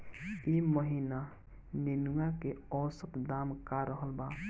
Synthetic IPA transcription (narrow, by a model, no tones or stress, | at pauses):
iməɦina | nenuakeɔsət̪d̪amkaɾəɦəlba